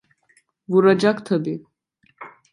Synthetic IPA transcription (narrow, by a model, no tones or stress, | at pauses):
vuɾad͡ʒakt̪ʰəbi